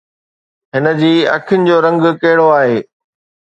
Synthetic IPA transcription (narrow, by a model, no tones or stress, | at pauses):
ɦɪnə̆d͡ʑiːɐ̰kʰɪjʊnɪ̆d͡ʑoːɾɐ̃ŋɡkɐɦɪɽoaːɦeː